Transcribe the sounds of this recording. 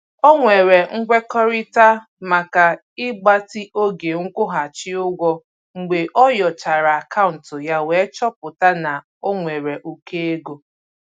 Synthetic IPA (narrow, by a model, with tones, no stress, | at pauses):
o˦ŋʷe˨ɾe˨ŋ̩˦ɡ͡bʷe˦kɔ˦ɾɪ˦ta˦ | ma˨ka˨ | ɪ˦ɡ͡ba˦tɪ˦ʔo˦ɡe˨ŋ̩˦kʷʊ˦ɦa˨t͡ʃɪ˦ʊ˦ɡʷɔ˦ | ŋ͡m̩˨ɡ͡be˨ʔɔ˦jɔ˨t͡ʃa˨ɾa˨a˨ka˦ʊ˨n̩˨tʊ˨ja˦we˨˦t͡ʃɔ˦pʊ˨ta˦na˨ | o˦ŋʷe˨ɾe˨ʔu˦ke˦e˦ɡo˦